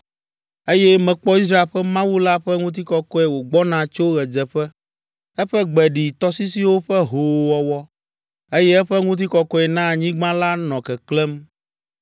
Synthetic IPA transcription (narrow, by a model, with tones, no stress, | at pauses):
e˦jɛ˦mɛ̃˨k͡pɔ˦i˦s̬ɾa˦e˨ɸɛ˦mã˦wu˦la˦ɸɛ˦ŋũ˦t̪̬i˦kɔ˨kɔ˦ɛ˨wo˨ɡ͡bɔ˦nã˨t͡ʃo˦ɣɛ˨d͡zɛ˨ɸɛ˦ | ɛ˦ɸɛ˦ɡ͡bɛ˨ɖi˨t̪ɔ˦si˦si˦wo˦ɸɛ˦ɦo˨wɔ˦wɔ˦ | e˦jɛ˦ɛ˦ɸɛ˦ŋũ˦t̪̬i˦kɔ˨kɔ˦ɛ˨nã˦˨ɲĩ˦ɡ͡bã˦la˦nɔ̃˨kɛ˨klɛ˦m